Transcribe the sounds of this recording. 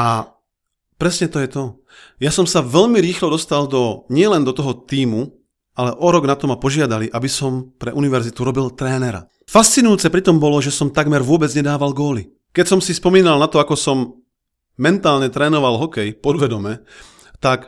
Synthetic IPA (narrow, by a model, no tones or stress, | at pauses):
ʔa | pɾɛsɲɛt̪ɔjɛt̪ɔ | jasɔmsaʋɛʎmiɾiːxlɔd̪ɔst̪ald̪ɔɲɪɛlɛnd̪ɔt̪ɔɦɔt̪iːmu | ʔalɛʔɔɾɔɡnat̪ɔmapɔʒɪad̪aliʔabisɔmpɾɛʔuniʋɛɾzit̪uɾɔbilt̪ɾɛːnɛɾa̰ | fast͡sinujut͡sɛpɾit̪ɔmbɔlɔʒɛsɔmt̪aɡmɛɾʋʊɔbɛd͡zɲɛd̪aːʋalɡɔːli | kɛcsɔmsispɔmiːnalnat̪ɔakɔsɔmː | ɛnt̪aːlɲɛt̪ɾɛːnɔʋalɦɔkɛjpɔd̪ʋɛd̪ɔmɛ | t̪ak